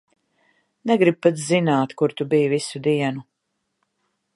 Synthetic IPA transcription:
nɛɡɾib̚pat̪zinaːt̪kuɾt̪ubijvisud̪iɛnu

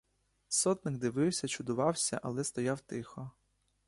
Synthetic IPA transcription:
sɔt̪nɪɡd̪ɪʋɪwsʲɐt͡ʃʊd̪ʊʋɑwsʲɐ̰ʔɐlˠɛst̪ɔjɑwt̪ɪxɔ

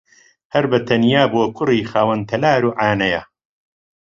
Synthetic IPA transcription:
hɐɾbɐt̪ʰɐnjaːboːkʰʊriːxaːwɐnt̪ʰɐlaːɾuːʔaːnɐja

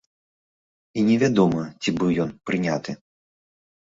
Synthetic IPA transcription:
inʲɛvʲad̪ɔmɐt͡sʲibɨwjɔnpɾɨnʲat̪ɨ

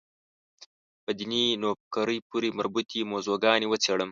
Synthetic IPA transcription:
pəd̪ininop̚kaɾəjpuɾimaɾbut̪ʰimozoɡɑniwət͡seɽəm

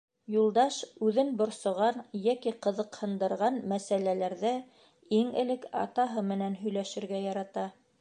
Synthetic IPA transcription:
julˠd̪ɑʃʉðɘnbŏɾsŏʁɑnjækiqɤ̆ðɤ̆qhɤ̆nd̪ɤ̆ɾʁɑnmæsælælæɾðæ | iŋɘ̆lɘkɑ̰t̪ɑɦɤmɘ̆nænɦɵ̆jlæʃɘ̆ɾɡæjɑɾɑt̪ɑ

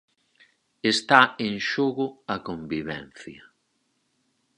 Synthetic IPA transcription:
est̪aeŋʃoɣʊɐkombiβɛ̰n̟θjɐ

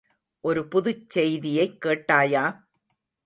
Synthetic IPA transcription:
ʔɔɾɯpʊðʊt͡ʃsɛjðɪjɐɪkːeːʈːaːjaː

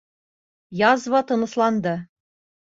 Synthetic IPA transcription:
jɑzβɑt̪ɤ̆nɤ̆slˠɑnd̪ɤ

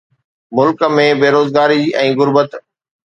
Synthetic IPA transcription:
mʊlkmẽbeːɾoːzɡaːɾiʔɛ̃ːɣʊɾbət̪

